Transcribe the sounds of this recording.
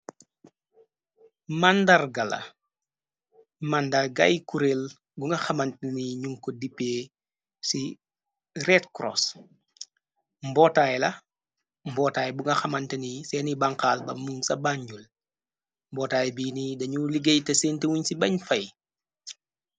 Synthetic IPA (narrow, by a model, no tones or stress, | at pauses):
mandɐrɡɐlɐ̰ | mandaɡɐ̰jkuɾel | buŋɡɐxɐmɐntniɲuŋkɔdipːeː | si | ɾɛtkɾɔ̰s | mbɔːtaːjɛlɐ | mbɔːtaːjɛbuŋɡɐxɐmɐntɐnisɛːnibaŋkaːlbɐ̰muŋsɐbaɲɟul | mbɔːtaːjɛbiːnidɐɲuliɡejtɐsentewuɲsibɐɲfɐj